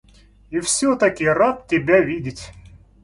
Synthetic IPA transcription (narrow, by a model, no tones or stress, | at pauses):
ifsʲɵt̪ɐkʲɪrat̪̚tʲːɪbʲavʲidʲɪtʲ